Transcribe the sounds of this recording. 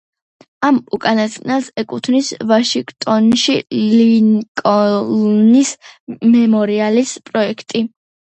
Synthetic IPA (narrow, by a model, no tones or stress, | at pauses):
amukʼanast̪qʼnɛlˠsɛkʼut̪ʰnisvaʃiŋɡt̪ʼɔnʃiliŋkʼɔnismɛmɔɾialispʼɾɔɛkʰt̪ʼi